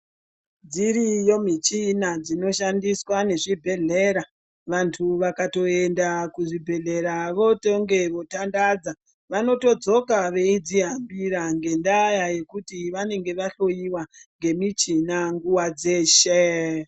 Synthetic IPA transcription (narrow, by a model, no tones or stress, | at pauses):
nd͡ziɾijo̞mit͡ʃinad͡zino̞ʃandiswane̞ʐibʱe̞ɮe̞ɾa | ʋantʰuʋakato̞endakuʐibʱe̞ɮe̞ɾaʋo̞toŋɡe̞ʋo̞tandad͡za | ʋano̞to̞d͡zo̞kaʋe̞id͡ziɦambiɾaŋɡe̞ndajaje̞kutiʋane̞ŋɡe̞ʋaɬo̞iwaŋɡe̞mit͡ʃinaŋɡuwad͡ze̞ːʃe